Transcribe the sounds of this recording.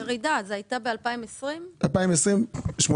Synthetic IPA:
eʁidazeajtabealpaimesʁimalpaimesʁimʃmo

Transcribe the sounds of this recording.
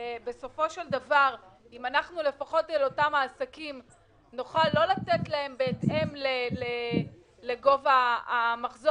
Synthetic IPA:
be̞so̞fo̞ʃeldavaʁ | imanaχnule̞faχo̞telo̞tamaːsakim | noχalːo̞latetlae̞mbeːtemlele | leɡo̞vaːmaχzo

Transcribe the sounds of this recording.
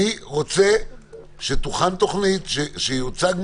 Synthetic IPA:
iʁot͡se | ʃet̪uχant̪oχnit̪ʃeʃejut͡saɡm

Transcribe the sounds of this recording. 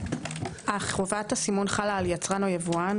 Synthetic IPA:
ʔaχʁovathasimonχalaːljat͡sʁano̞javuan

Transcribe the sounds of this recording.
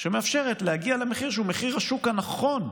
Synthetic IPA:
ʃemeafʃeʁetlehaɡialemeχiʁʃ̬eume̞χiʁhaʃukhanaχo̞n

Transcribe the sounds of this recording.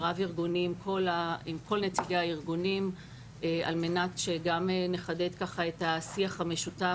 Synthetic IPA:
ʁaviʁɡunimkʰo̞laimko̞lnet͡sileaiʁɡunim | ea̰lme̞natʃeɡameneχade̞t̪kaχaet̪asiaχhame̞ʃuta

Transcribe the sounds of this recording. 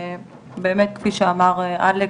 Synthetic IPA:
beːmet̪̚kfiʃeamaʁeʔa̰le

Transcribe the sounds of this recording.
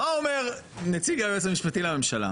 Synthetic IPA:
aome̞ʁnet͡siɡabeet͡semiʃpatilame̞mʃala̰

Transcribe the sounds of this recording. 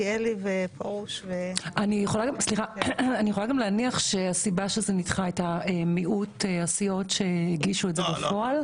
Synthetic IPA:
jelivepʰaʁuʃveanijeχolaɡamsliχaanijeχolaɡamlaːniaχʃeasibaʃezenitχaetaemiʔuteasijo̞tʃe̞iɡiʃuetzebafo̞al

